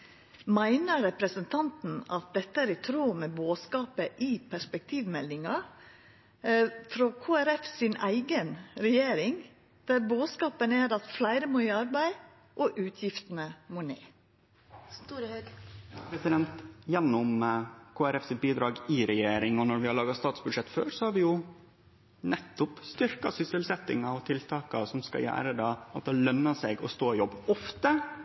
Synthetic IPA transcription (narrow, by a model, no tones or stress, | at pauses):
mæɪnəɾɛpɾəsənt̪ʰɑnt̪n̩ɑt̪̚d̪ɛt̪ːəæːɾɪt̪ʰɾuːmɛːboːskɑːpəʔipʰæʂpɛk̚t̪ʰiːʋmɛlːɪŋɑ | fɾoːkʰoːæɾɛfsɪnæɪɡənɾɛjeːɾɪŋ | d̪̥æːɾboːskɑːpənæːɾɑt̪flæɪɾəmoːiːɑɾbæɪ | ʔoːʔʉːt̪ʰjɪft̪n̩əmoːnḛː | pʰɾɛsɪd̪ɛnt̪jɛnːʊmkʰoːæɾɛfsɪt̪̚biːd̪ɾɑːɡɪɾɛjeːɾɪŋɔnɔɾʋɪhɑɭɑːɡɑst̪ɑːt̪sbʉd̪ʂɛt̪ːfø̰ːɾsɔhɑɾʋɪjʊ | nɛt̪ːʊpst̪ʏɾkɑsʏsəlsɛt̪ːɪ̰ŋɑɔt̪ʰɪlt̪ʰɑːkɑsɔmskɑ̰jæ̰ːɾəd̪ɑːɑt̪̚d̪ɛːlœmːəsɛɡɔ̰st̪oːɪjɔbːɔft̪ə